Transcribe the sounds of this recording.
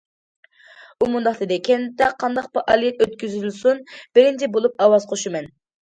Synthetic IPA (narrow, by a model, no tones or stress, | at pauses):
umund̪ɑχt̪ɨd̪ɪkʲʰɛnt̪ɛqʰːɑnd̪ɑq̚bɪɾʔɑlˠijɛt̪øt̪kʲyzlsunb̥ɪɾɪnt͡ʃɛbolˠup̚ɑwɑzqʰoʃumɛn